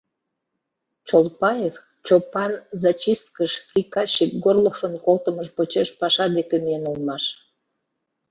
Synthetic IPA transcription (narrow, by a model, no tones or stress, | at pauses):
t͡ɕolˠpɑjef | t͡ɕopɑnzɑt͡ɕist̪̚kəʃkrʲikɑɕik̚ɡorlofənkolt̪əməʃpot͡ɕeʃpɑʃɑd̪ekemienulmɑʃ